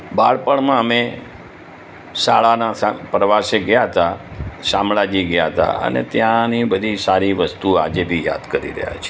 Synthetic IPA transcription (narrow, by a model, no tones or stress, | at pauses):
baɭpəɳmãəme | saɭanasapɾəʋaseɡjat̪asãmɭad͡ʒiɡəjaɦt̪a̰ə̰nḛt̪jãnibəd̪ʱisaɾiʋəst̪ua̰d͡ʒebʱija̰d̪kəɾḭɾə̰ɦja̰t͡ʃʰe